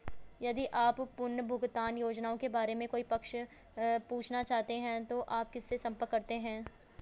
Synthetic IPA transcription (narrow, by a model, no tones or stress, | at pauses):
jɐd̪iʔaːppʊnːbʱʊɡt̪aːnjoːd͡ʒnaːõkebaːɾemẽkoːipɐkʃ | puːt͡ʃʰnat͡ʃaːɦt̪eɦɛ̃t̪oʔaːp̚kɪsːesɐ̃mpəkːɐɾt̪eɦɛ̃ː